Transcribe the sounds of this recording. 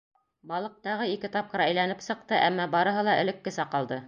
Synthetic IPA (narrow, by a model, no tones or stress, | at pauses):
bɑlˠɤ̆q̚t̪ɑʁɤikɘt̪ɑp̚qɤ̆ɾæjlænɘpsɤ̆q̚t̪ɤʔæmːɑbɑɾɤ̆ɦɤlˠɑʔɘ̆lɘ̆kːɘsɑqɑlˠd̪ɤ